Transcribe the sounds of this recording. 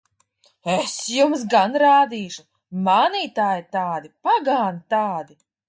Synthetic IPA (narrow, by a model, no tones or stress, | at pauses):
esjumsɡanɾaːd̪iːʃu | manit̪aːjɪt̪aːd̪ipaɡaːnit̪aːd̪i